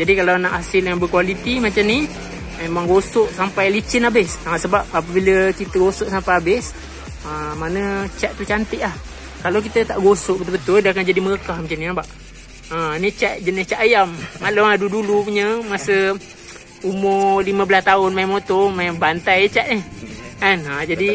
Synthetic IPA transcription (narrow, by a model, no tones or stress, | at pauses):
d͡ʒadikalawnaʔhasɪljaŋbəkualit̪imat͡ʃamni | memaŋɡosʊʔsampajlit͡ʃɪnabɪssaŋaʔ̪səbap̚ap̬əbiləkit̪əɡosɔʔsampajabɪs | əmanət͡ʃaʔ̚t̪ut͡ʃant̪ɪʔlah | kalawk̬it̪ət̪aʔɡosʊʔ̚bət̪ʊlbət̪ʊldaakand͡ʒadimələkahmat͡ʃaniabaʔ | ənit͡ʃaʔ̪̚d͡ʒənɪst͡ʃaʔajamːalʊŋadudulupuɲəmasə | umʊliməbəlast̪aʊnmajamot̪omajbant̪ajt͡ʃaʔniɛnad͡ʒadi